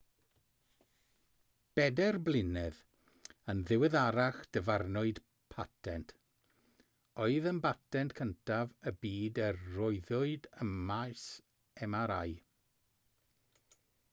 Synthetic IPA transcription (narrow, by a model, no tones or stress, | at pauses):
b̥ɛdɛrblˠɪnɛð | ənðɪwɛðaɾaχd̥əvarnʊɨd̥ | pʰatʰɛntʰ | ɔɨðənbatʰɛntkʰəntʰavəbiːdərːɔɨðʊɨdəmmajs | ɛmaɾaj